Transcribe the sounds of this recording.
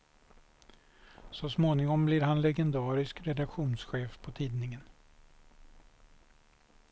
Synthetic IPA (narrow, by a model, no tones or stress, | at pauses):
sɔsmoːnɪŋɔmblɪɾɦanlɛɡɛnd̪ɑːɾɪskɾɛd̪akɧuːnsɧeːfpʰɔt̪ʰiːd̪nɪŋən